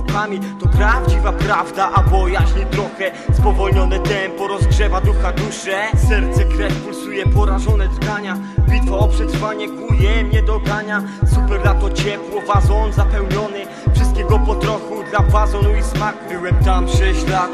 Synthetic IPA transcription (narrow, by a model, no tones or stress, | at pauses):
kamʲit̪ɔpɾavd͡ʑivapɾavd̪aʔabɔjaɕɲit̪ɾɔxɛ | spɔvɔlɲɔnɛt̪ɛmpɔɾɔzɡʐɛvad̪uxad̪uʂɛsɛɾt̪sɛkɾɛfpulsujɛpɔɾaʐɔnɛd̪ɔɡɾaɲa | vʲit̪ɔːpʂɛt̪ɾvaɲɛkujɛmɲɛd̪ɔɡɾaɲa | supɛɾlat̪ɔt͡ɕɛpwɔvazɔnzapɛwɲɔnɘ | fʂɨst̪̚kʲɛɡɔpɔt̪ɾɔxud̪lavazɔnuismakfɘwɛpt̪ampʂɛɕlat̪